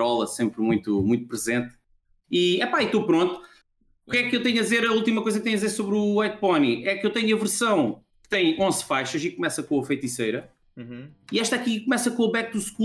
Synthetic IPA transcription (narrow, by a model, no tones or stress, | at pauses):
ɔlˠɐsẽmpɾmũj̃t̪umũj̃t̪̚upɾɨzẽnt̪ | iɛpait̪opɾõnt̪u̥ | ukɛkewt̪ɐɲɐd̪izeɾɐulˠt̪imɐkojzɐk̚t̪ɐ̃ɲ̃ɐdizeɾsoβɾuajt̪̚pɔniɛkewt̪ɐɲuɐvɨɾsɐ̃w̃ | kɨ̥t̪ɐ̃j̃ʔõzfajʃɐʃikumɛsɐkõɐfɐjt̪isɐjɾɐ̃ | iɛʃt̪akikumɛsɐkõuβɛk̚t̪uʃk